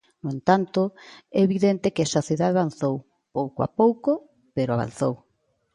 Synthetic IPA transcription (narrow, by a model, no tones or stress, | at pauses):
noẽnt̪ant̪ʊɛβiðent̪ekeesaθuðaðaβanθow | powkoa̰powko | peɾoaβa̰n̟θow